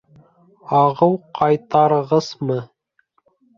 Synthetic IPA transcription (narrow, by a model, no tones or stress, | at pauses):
ɑʁɤwqʰɑjt̪ɑɾɤʁɤz̥mɤ